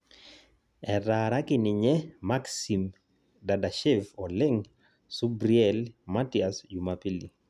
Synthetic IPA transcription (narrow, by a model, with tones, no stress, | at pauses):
ɛɾaɾa˦kɪ˨nɪ˨ɲɛ˦maksi˨m | dada˨ʃɛ˦vɔ˨lɪ˦ŋ | su˦bɾiɛlma˦tiasd͡ʒumapi˦li˨